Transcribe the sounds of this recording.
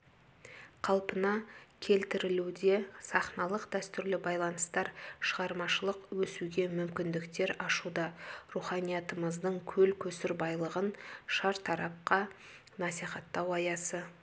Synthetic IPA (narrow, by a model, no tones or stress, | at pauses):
qʰɑlˠpənɑkʲʰe̞lt̪ɪɾɪlud̪e̞sɑχnɑlˠəqd̪æst̪ʏɾlɪbɑjlˠɑnəst̪ɑɾʃəʁɑɾmɑʃəlˠəqwɵsuɡʲe̞mʏmkʲɪnd̪ɪkt̪e̞ɾɑʃud̪ɑruχɑnijɑt̪əməzd̪əɴkʲʰɵlkʲʰɵsɪɾbɑjlˠəʁənʃɑɾt̪ʰɑɾɑp̚qɑ | nɑsiχɑt̪ːɑwɑjɑsə